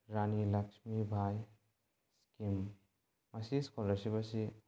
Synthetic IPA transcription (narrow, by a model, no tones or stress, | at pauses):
ɾanilɐksmibʱaj | skim | masiskɔləɾsibʌsi